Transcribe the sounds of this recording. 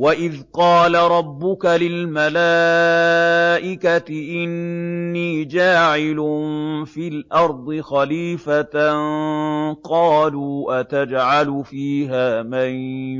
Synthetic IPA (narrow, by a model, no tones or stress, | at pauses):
waʔɪðqɑːlaɾˤɑbːʊkalɪlmalaː | ʔɪkat̪ɪʔɪnːiːd͡ʒaːʕɪlʊfiːlʔɑɾˤd̪ˤɨxaliːfat̪ | qɑːluːʔat̪ad͡ʒʕalʊfiːɦaːmaj